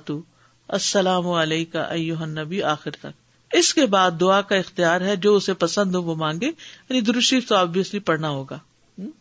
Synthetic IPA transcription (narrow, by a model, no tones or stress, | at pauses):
t̪u | ɐsːɐlaːmʊɐleːka̰ʔɐ̰jːʊɦənːɐbiaːxɪɾt̪ɐk̚ | ɪskebaːd̪ːʊakaɪxt̪ijaːɾɦɛd͡ʒoːʊsepɐsə̃nd̪ɦõʋomãːŋɡẽːjaːnid̪ʊɾʊʃiːft̪oabʱijɪslipɐɽnaɦoːɡaː